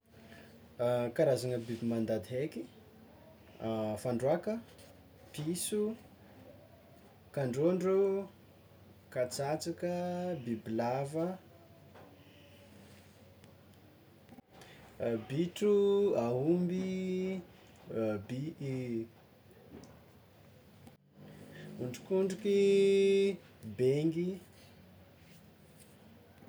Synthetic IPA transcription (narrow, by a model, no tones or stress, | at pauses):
kaɾazaŋəbibimand̪ad̪iɦeki | faɳɖ͡ʐwakə | pisu | kaɳɖ͡ʐoɳɖ͡ʐu | kat͡sat͡sakəbibilavə | biʈ͡ʂuaumbi | bi | uɳɖ͡ʐu̥kuɳɖ͡ʐuki | beŋɡi